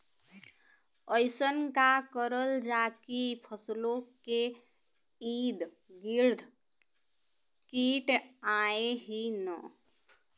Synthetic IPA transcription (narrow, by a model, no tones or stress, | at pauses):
əjsənkakəɾəld͡ʒakipʰəslokːe | id̪ | ɡiɾd̪ʱ | kiʈaeɦinə